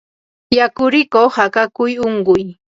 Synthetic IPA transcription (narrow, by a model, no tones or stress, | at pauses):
jakʊɾɪkohakakʊjoɴɢʊj